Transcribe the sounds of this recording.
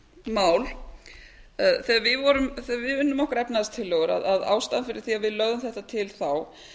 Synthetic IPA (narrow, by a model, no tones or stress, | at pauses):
maːwl | θɛːɣaɾvɪðvɔɾʏmθɛːɣaɾvɪðʏnːʏmɔhkaɾɛpnaðst̪ʰɪlːɛɣʏɾa̰ðaða̰ːwst̪aðnfɪɾɪɾ̥θiavɪðlœɣðʏmθɛht̪at̪ʰɪlθaw